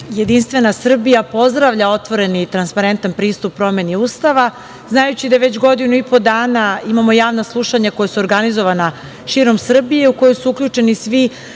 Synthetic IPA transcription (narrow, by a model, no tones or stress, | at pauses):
je̞d̪inst̪ʋe̞nasr̩bijapo̞zd̪ɾaʋʎao̞t̪ʋo̞ɾe̞nit̪ɾanspaɾe̞nt̪anpɾiːst̪upːɾo̞me̞niuːst̪aʋa | znajut͡ɕid̪aʋe̞t͡ɕɡo̞d̪inuipo̞d̪aːnaimamo̞jaːʋnoslˠuʃaɲako̞jasuoɾɡanizo̞ʋana | ʃiːɾo̞msr̩bijeuko̞jojsuukʎut͡ʂe̞nisʋi